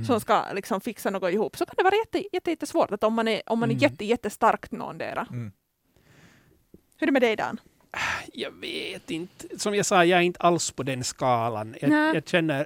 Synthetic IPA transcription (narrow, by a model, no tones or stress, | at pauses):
sɔska̰lɪksɔmfɪksanoːɡɔɪhuːpːsɔkʰand̪ɛvɑːɾajɛt̪ːəjɛt̪ːəjɛt̪ːəsvoːʈ̪at̪ɔmːanæɾʔɔmːanæɾjɛt̪ːəjɛt̪ːəst̪aɾkt̪no̰ːnd̪ɛ̰ːɾa | hɵdɛmɛd̪ɛjd̪ɑ̰n | jɑːveːt̪ɪnt̪sɔmjɑsɑːjɑːæɾɪnt̪əalspʰɔd̪ɛnskɑːla̰njɑːjɑːɡɕɛnːəɾ